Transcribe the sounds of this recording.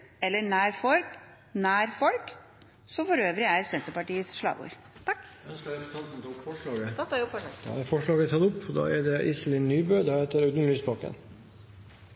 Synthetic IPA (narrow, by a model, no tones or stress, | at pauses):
ɛlːəɳæːɾfɔlk | næːɾfɔlk | sɔfɔɾøːʋɾɪæɾsɛnt̪əɾpɑʈiːəsʂlɑ̰ːʋṵːɾ | t̪ʰɑk | œnskəɾɛpʉ̥t̪ʰɑːnt̪n̩t̪ʰɔkfɔʂɭɑːɡəɔd̪̥ɑ̰ːæɾfɔʂɭɑːɡət̪ʰɑːt̪ʊpːɔd̪ɑ̰ːɛɖɛʔɪslɪnːyːbøːd̪ɑːheːt̪əɾœd̪n̩lyːsbɑkə̰n